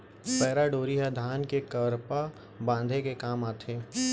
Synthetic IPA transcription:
pɛːɾaɖoːɾiɦad̪ʱaːnkekɐɾpa | bãːnd̪ʱekekaːmaːt̪ʰeː

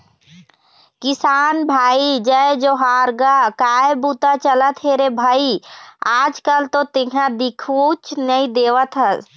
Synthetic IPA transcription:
kɪsaːnbʱaːid͡ʒəed͡ʒoɦaːɾɡakaːebut̪at͡ʃələt̪ɦeɾebʱaːiaːd͡ʒkəlt̪ot̪ɪɡʱãd̪ɪkʰot͡ʃnəĩd̪eːʋət̪ɦəs

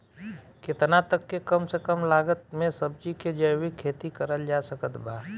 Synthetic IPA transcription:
kɪt̪nat̪əkːekəmsekəmlaːɡət̪̚mẽsəb̚d͡ʒiked͡ʒəjwikʰːeːt̪ikəɾəld͡ʒaːsəkət̪baː

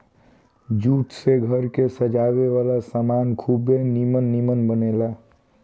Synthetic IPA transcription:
d͡ʒuːʈseɡʱəɾkesəd͡ʒawewalasamankʰubenimənːimənbənela

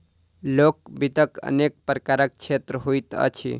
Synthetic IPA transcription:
lokbit̪əkə̰nek̚pɾəkaɾək̚t͡ʃʰet̪ɾəɦojt̪ə̰t͡ʃʰḭ

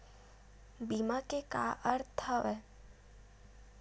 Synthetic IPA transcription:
biːmakeka̰ʔəɾt̪ʰəʋɛ

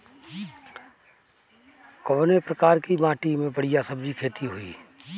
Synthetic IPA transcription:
kobnepɾəkaːɾkimãːʈimẽbəɽijasəbd͡ʒikʰeːt̪iɦʊḭː

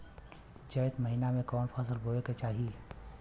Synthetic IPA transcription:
d͡ʒəjt̪məɦinamẽkɔːnpʰəsəlbʱoeket͡ʃaːɦi

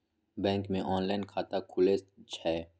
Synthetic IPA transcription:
bɛ̃ːŋkmẽʔɔːnlaːɪnkʰaːt̪akʰʊlet͡ʃʰɛː

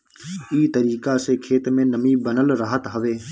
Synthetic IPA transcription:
iːt̪əɾiːkaːseːkʰeːt̪mẽːnəmĩːbənəlɾəːɦət̪ɦəʋeː

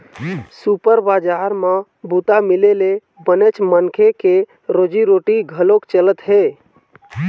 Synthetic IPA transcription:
supəɾbad͡ʒaɾmã | but̪amilele | bənet͡ʃmənkʰeke | ɾod͡ʒiɾoʈiɡʱəlokt͡ʃələt̪ɦe

